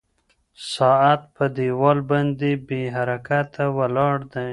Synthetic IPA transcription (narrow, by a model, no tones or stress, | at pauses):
sɑat̪̚pəd̪ewɑlband̪ebeɦaɾakat̪awalɑɽd̪a